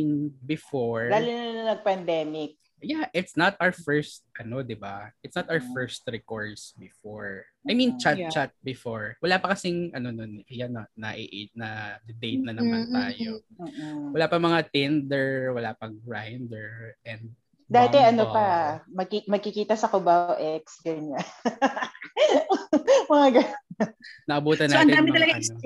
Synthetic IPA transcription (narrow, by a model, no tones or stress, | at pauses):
inbɪfoɹd̪aːlʊnɐanɐnɐɡ̚pɐnd̪ɛːmɪk̚ | jaʔɪt̪snɐt̪ʔawəfɛɹst̪̚ʔɐno̞d̪ɪbaʔɪt̪snɐt̪ʔawɛfɛɹst̪̚ɹɛkoɹd̪sbɪfoɹʔajmĩnt͡ʃat̚t͡ʃat̪̚bɪfoɹwɐlaːpɐkɐsɪŋʔɐnononʔɪjanɐnɐʔɪʔed͡ʒnɐd̪ɪd̪ejt̪̚nɐnɐmant̪aːjo | wɐlaːpɐŋmɐŋat̪ɛnd̪ɛɹwɐlaːpɐŋɡɹajnd̪ɛɹʔɛnd̪̚ | d̪aːt̪ɛʔɐnopɐmɐɡkimɐɡ̚kɪkiːt̪ɐsɐkobawʔɛksɡɐɲa | mɐŋaɡɐ | nɐʔɐbuːt̪ɐnoːɐnɛdaːmɪɐlɐɡao